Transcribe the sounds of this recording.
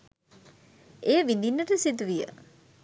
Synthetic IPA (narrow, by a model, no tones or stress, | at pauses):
ejəʋind̪inːəʈəsit̪uʋijə̰